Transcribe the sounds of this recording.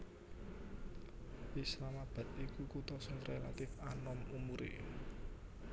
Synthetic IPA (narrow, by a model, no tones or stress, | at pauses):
wislamab̥ä̤t̪̚ikukut̪ɔsənrelat̪ɪfanɔmumuɾḛ